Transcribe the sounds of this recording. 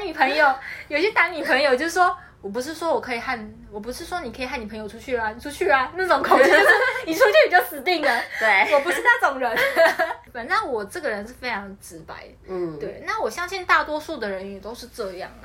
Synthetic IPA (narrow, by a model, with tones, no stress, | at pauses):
a˥nmi˨˩pʰə˧˥ŋjo˨˧ʊjo˨˩ʊi˩ɕjɛ˥t̪a˧˥nmi˨˩pʰə˧˥ŋjo˨˧ʊt͡ɕjo˥˧ʂ̩˥˩ʂwɔ˥ | wɔ˨˩p̬u˧˥ʂ̬ɻ̩˥˩ʂwɔ˥wɔ˨˩kʰɤ˧˥i˨˩xa˥˩n | wɔ˨˩p̬u˧˥ʂɻ̩˥˩ʂwɔ˥ni˨kʰi˨˩xa˥˩ni˨pʰɤ˧˥ŋjo˨˧ʊʈ͡ʂʰu˥t͡ɕʰy˥˩lɐ˩ni˨˩ʈ͡ʂʰu˥t͡ɕʰy˥˩lɐ˨˩na˥˩ʈ͡ʂo˨˧˦ŋkʰo˨˩˦ʊ˥ʂ̩˥˩ni˨˩ʈ͡ʂʰu˥t͡ɕʰy˥˩i˨˩t͡ɕjɑ˥˩ʊsɹ̩˨˩t̪i˥˩ŋd̪ə˩we˥˩wɔ˨˩p̬u˧˥ʂɻ̩˥˩t̪a˥˩t͡sʊ˨˩ŋɻə˧˥˦npə˨˩nt͡sa˥˩nwɔ˨˩ʈ͡ʂɤ˥˩ɡə˩ɻə˧˥nʂɻ̩˥˩fe˥ɪʈ͡ʂʰɑ˧˥ŋʈ͡ʂɻ̩˧˥pa̰˥ɪ˩ | t̪we˥˩ɪna˥˩wɔ˨˩ɕjɑ˥ŋɕi˥˧nt̪a˥˩t̪wɔ˥ʂu˥˩d̪ə˩ɻə˧˥njɛ˨˩t̪o˥ʊʂɻ̩˥˧ʈ͡ʂɤ˥˧jɑ̰˥˩ŋd̪ə˩